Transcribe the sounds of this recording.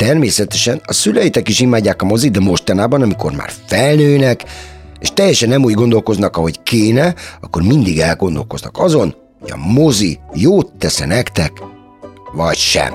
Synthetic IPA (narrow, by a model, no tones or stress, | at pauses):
t̪ɛrmeːsɛt̪ɛʃɛnɒsylɛjit̪ɛkiʃimaːɟːaːkɒmo̞zid̪ɛmo̞ʃt̪ɒnaːbɒnɒmiko̞rma̰ːrfɛlnøːnɛkeːʃt̪ɛjːɛʃɛnːɛmuːɟɡo̞nd̪o̞lko̞znɒkɒɦo̞ckeːnɛɒkːo̞rmind̪iɡɛlɡo̞nd̪o̞lko̞znɒ̰kɒzo̞n | hoɟɒ̰mozijoːt̪ːɛsɛ̰nɛkt̪ɛk | ʋɒcʃɛ̰m